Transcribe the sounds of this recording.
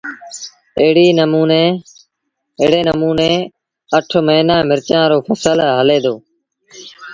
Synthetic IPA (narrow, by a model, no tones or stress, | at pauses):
əɦɽiːnəmuːneː | ɪɦɽeːnəmuːneː | əʈʰməɦiːnaːmɪɾt͡ʃãːɾoːpʰəsəlɦəleːd̪oː